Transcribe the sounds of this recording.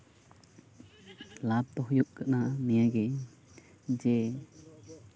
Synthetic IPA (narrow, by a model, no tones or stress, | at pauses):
lab̚t̪ɔɦjuʔkanamijaɡɛ | d͡ʒɛ